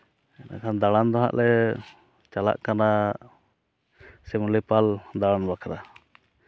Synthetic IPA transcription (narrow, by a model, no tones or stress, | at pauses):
ɛna̰kʰand̪aɽand̪ɔɦa̰ʔlɛ | t͡ʃala̰ʔkana | sɛmulipald̪alanbakʰaɾa